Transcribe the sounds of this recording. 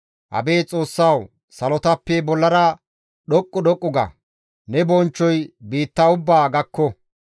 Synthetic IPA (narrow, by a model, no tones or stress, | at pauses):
ʔɐ̰beːt͡sʼo̞ːsːɐw | sɐlɔt̪ɐpːɛbɔlːɐɾɐ | ɗɔkʼːʊɗɔkʼːʊɡɐ̰ | nɛbɔnt͡ʃːɔjbiːt̪ːaʊbːaːɡɐkːɔ